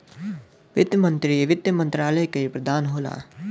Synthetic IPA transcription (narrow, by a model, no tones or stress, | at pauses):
ʋɪd̪jəmə̃nt̪ɾiʋɪd̪jəmə̃nt̪ɾaːləjkepɾəd̪aːnɦoːla̰ː